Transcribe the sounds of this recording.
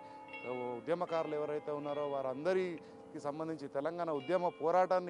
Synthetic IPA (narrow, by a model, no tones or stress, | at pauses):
ud̪jɐmɐkaːɾluɛʋɐɾɐjt̪eːunːaːɾoːʋaːɾɐnd̪ɐɾi | kisɐmbɐnd̪ʱiɲt͡ʃit̪ɛlɐŋɡaːnaud̪jɐmɐpɔːɾaːʈaːnːi